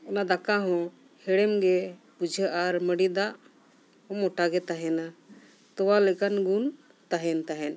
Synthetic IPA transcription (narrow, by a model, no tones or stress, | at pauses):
ɔnad̪akaɦɔ̃ | hɛɽɛmɡɛpud͡ʒʱəʔaɾməɽid̪aʔ | ɔmɔʈaɡɛt̪aɦɛna | t̪ɔwalɛkanɡun | t̪aɦɛnt̪aɦɛn